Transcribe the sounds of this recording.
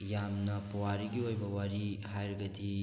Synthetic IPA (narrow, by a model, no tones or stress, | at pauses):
jamnɐpuwaɾiɡiojbɐwaɾiɦajɾɐɡɐdi